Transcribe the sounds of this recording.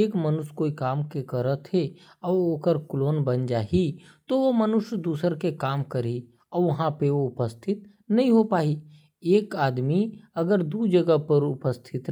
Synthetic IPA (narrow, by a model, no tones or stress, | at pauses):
eːkmənʊskoːikaːmkekəɾət̪ʰɦe | ɔːɾoːkəɾkloːnbənd͡ʒaːi | t̪oʋomənʊʃd̪uːsəɾkekaːmkəɾi | ɔːɾʋɐɦãpeoʊpəst̪ʰɪt̪ | nɐɦĩɦopaːi | eːkaːd̪miɐɡəɾd̪ud͡ʒəɡəɦpəɾʊpəst̪ʰɪt̪